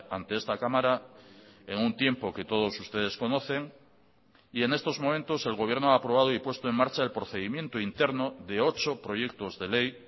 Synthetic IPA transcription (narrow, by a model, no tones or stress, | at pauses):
ant̪e̞est̪akamaɾa | eŋunt̪je̞mpo̞ke̞t̪o̞ðo̞sust̪e̞ðe̞sko̞no̞θe̞ŋ | ie̞ne̞st̪o̞zmõ̞mẽnt̪o̞se̞lɣo̞β̞je̞ɾnoaːpɾo̞βað̞oipwe̞st̪oe̞ŋmaɾt͡ʃaelpɾo̞θe̞ðimjẽ̞nt̪oint̪eɾnoðe̞o̞t͡ʃo̞pɾo̞ʝe̞k̚t̪o̞zðe̞le̞j